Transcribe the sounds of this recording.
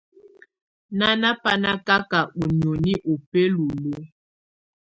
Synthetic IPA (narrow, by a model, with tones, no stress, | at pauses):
na˦na˦pa˦na˦ka˦ka˨ʔu˨ɲo˨ni˦ʔo˨pe˦lo˨lo˦